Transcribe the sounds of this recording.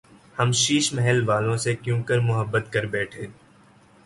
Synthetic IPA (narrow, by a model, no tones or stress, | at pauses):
hɐmʃiːʃmɛɦɛlʋaːlõsekjũːkəɾmʊɦəbːət̪kɐɾbɛːʈʰẽː